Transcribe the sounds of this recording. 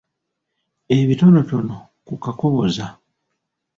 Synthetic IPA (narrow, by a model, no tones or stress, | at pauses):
e̞βito̞no̞to̞no̞ | kukako̞βo̞za